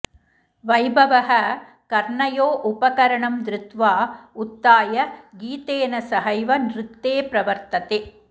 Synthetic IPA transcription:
ʋɐjbɐʋɐɦɐ | kɐɾɳɐjoːʔʊpɐkɐɾɐɳɐmd̪ɾɪt̪ʋaːʊt̪ːaːjɐɡiːt̪eːnɐsɐɦɐjʋɐnɾɪk̚t̪eːpɾɐʋɐɾt̪ɐt̪e

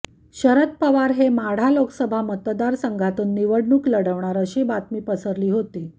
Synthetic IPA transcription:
ɕəɾət̪pəʋaɾɦemaɽ̤aloksəbʱamət̪d̪aɾsəŋɡʱat̪uːnːiʋəɽɳuːkləɽəʋɳaɾəɕiːbat̪miːpəsəɾliːɦot̪i

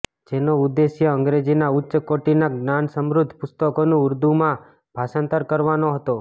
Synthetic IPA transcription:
d͡ʒenoʊd̪ːesjəə̃ŋɡɾed͡ʒinaʊtːʃəkoʈinaɡnansəmɾʊd̪ʱpʊst̪əkonũʊɾd̪umã | b̥ʱasãnt̪əɾkəɾʋanoɦət̪o

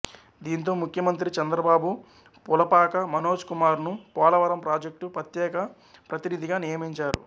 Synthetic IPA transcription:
d̪iːnt̪̬o̞ːmukʰjɐmɐnt̪ɾit͡ʃɐnd̪ɾɐbaːbu | pulɐpaːkɐmɐno̞ːd͡ʒkumaːɾnupɔːlɐʋɐɾɐmpɾaːd͡ʒek̚ʈupɾɐt̪jɛːkɐ | pɾɐt̪inid̪ʱiɡaːnijɐmiɲt͡ʃaːɾṵ

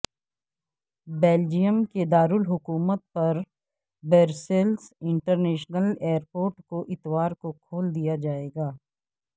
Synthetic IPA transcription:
beːld͡ʒijəmked̪aːɾʊlɦʊkuːmət̪̚pɐɾ | beːɾselsɪ̃ɳʈəɾneːʃnəleːɾpoːɾʈkoʔɪt̪waːɾkokʰoːld̪ijad͡ʒaːeːɡaː

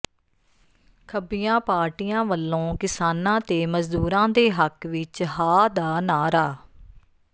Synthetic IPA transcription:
kʰəbɪjãːpaːɾʈiːãːʋəlːõːkɪsaːnãːt̪eːməzd̪uːɾãːd̪eːɦəkʋɪt͡ʃɦaːd̪aːnaːɾaː

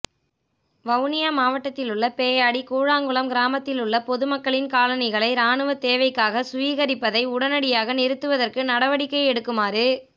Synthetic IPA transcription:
ʋɐʊnɪjamaːʋɐʈːɐt̪ːɪlɯɭːɐpeːjaːɽikuːɻaːŋɡɯɭɐmɡɪɾaːmɐt̪ːɪlɯɭːɐpɔðɯmɐkːɐɭɪnkaːlɐnɐɪɣɐɭɐɪɾaːɳɯʋɐt̪eːʋɐɪkːaːɣɐsʊʋiːɣɐɾɪpːɐðɐɪʊɽɐnɐɽɪjaːɣɐnɪɾɯt̪ːɯʋɐðɐrkɯnɐɽɐʋɐɽɪkːɐɪɛɽɯkːɯmaːɾɯ

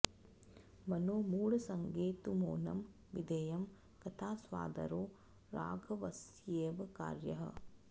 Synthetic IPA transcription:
mɐnoːmuːɽɐsɐŋɡeːt̪umo̰ːnɐ̰m | ʋid̪eːjɐm | kɐt̪ʰaːsʋa̰ːd̪ɐ̰ɾoː | ɾa̰ːɡʱɐʋɐsjeːʋɐka̰ːɾjɐɦɐ̰

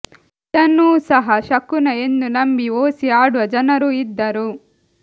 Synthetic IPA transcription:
t̪ɐnːuːsɐɦɐʃɐkːunɐe̞nd̪ulɐmbioːsiaːɽuʋɐd͡ʒɐnɐɾuid̪ːɐɾu

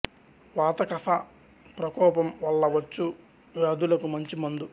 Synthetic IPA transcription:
ʋaːt̪ɐkɐfʰa | pɾɐkɔːpɐmʋɐlːɐʋɐt͡ʃːu | ɐd̪ulɐkumɐɲt͡ʃimɐnd̪u

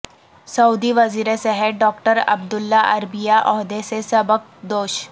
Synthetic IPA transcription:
sɐud̪iʋɐziːɾesɛɦɛʈ̚ɖɔːkʈəɾɐ̰b̚d̪ʊlːaʔɐɾbijaʔɔːɦd̪esesɐbək̚d̪oːʃ

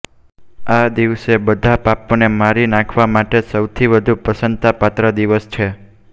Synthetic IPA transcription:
ad̪iʋsebəd̪ʱapaponemaɾinãkʰʋamaʈesəwt̪ʰiʋəd̪ʱupəsənt̪apat̪ɾəd̪iʋəst͡ʃʰe

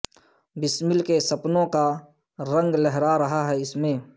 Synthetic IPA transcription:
bɪsmɪlkesɐpnõka | ɾə̃ŋɡlɛɦɾaɾɐɦaɦɛɪsmẽː

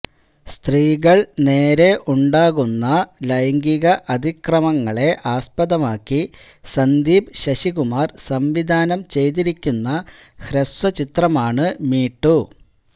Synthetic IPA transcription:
st̪riːɣɐɭne̞ːɾe̞ʔuɳɖaːɣunːɐlɐjɐŋɡiɣɐʔɐd̪ʱikrɐmɐŋːɐɭe̞ʔaːspɐd̪ɐmaːkːi | sɐnd̪iːbɕɐɕiɣumaːrsɐmʋid̪ʱaːnɐmt͡ɕe̞jt̪̬iɾikʲːunːɐhɾɐswɐt͡ɕit̪rɐmaːɳɨmiːʈːu

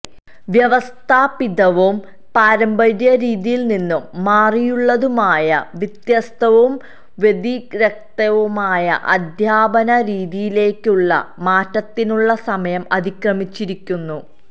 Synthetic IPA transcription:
ʋjɐʋɐst̪ʰaːpiðɐʋum | paːɾɐmbɐðjɐɾiːðijilninːumːaːrijuɭːɐðumaːjɐʋit̪jɐst̪ʰɐʋum | ʋe̞d̪iɾek̚t̪ɐʋumaːjɐ̰ʔɐd̪ʱjaːbɐnɐɾiːðijile̞ːkʲːuɭːɐ̰maːtːɐt̪ːinuɭːɐsɐmɐjɐmɐðikrɐmit͡ɕːiɾikʲːunːu

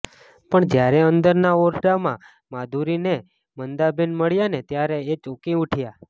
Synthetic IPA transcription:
pəɳd͡ʒjaɾɛənd̪əɾnaoɾɖamã | mad̪ʱuɾine | mənd̪abenməɭjanet̪jaɾeet͡ʃokĩuʈʰja

